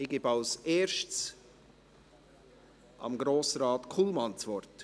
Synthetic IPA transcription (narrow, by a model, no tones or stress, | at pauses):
ɪɡ̥ɪːbɑʊseːʃtt͡s | ʔɑ̰mɡɾoːsɾɑːtkʰulmɑnt͡svɔrt